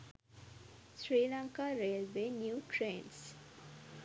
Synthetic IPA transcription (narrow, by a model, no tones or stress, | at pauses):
sɾiːlaŋkaːɾeːlʋeːnjuːʈɾeːns